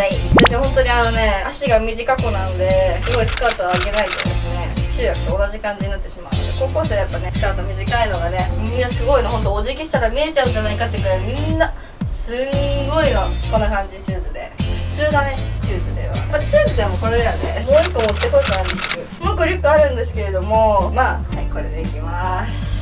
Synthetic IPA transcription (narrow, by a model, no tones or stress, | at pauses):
ait̪aɕihõ̞nt̪oɲ̟iano̞ne̞aɕiɡamʲiʑikako̞nãnd̪e̞sɨɡo̞isɨ̥kaːt̪o̞aːɡe̞nait̪od̪eɕnet͡ɕɨːjakɯ̥t̪oːnaʑikãɲ̟d͡ʑiɲ̟inat̪ːe̞ɕimaɯ̟nod̪eko̞ko̞ːseajapːane̞sɨ̥kaːt̪o̞mʲiʑikaino̞ɡane̞mʲĩnːasɨɡo̞inoɦo̞nt̪oːʑikʲiɕi̥t̪aɾamʲie̞t͡ɕaɯ̟̃ɲd͡ʑanaikat̪ːeiɯ̟k̪ːaɾamʲĩnːa | sɨŋɡo̞inoko̞nːokãɲ̟d͡ʑit͡ɕɨːzɨd̪e̞̰ɸɯ̟̥t͡sɨːnane̞t͡ɕɨːzɨd̪e̞̰βa̰apːt͡ɕɨːzɨd̪e̞mo̞ko̞ɾe̞d̪eβa̰nḛmoikːomot̪ːekooɡaɾɯɨ̥kɯ | mokːoɾʲɨkːɯaɾɯ̟̃nd̪e̞sɨ̥ke̞ɾe̞d̪o̞mo̞ma | ako̞ɾe̞d̪e̞kʲimasɨ̥